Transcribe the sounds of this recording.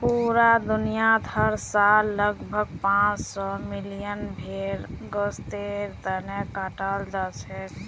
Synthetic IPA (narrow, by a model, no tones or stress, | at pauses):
puɾad̪unijat̪ʰəɾsalːəɡbʱəɡ̚pãt͡ʃsɔmilijənbʱeɾɡɔst̪eɾt̪ənekaʈald͡ʒat͡ʃʰɛ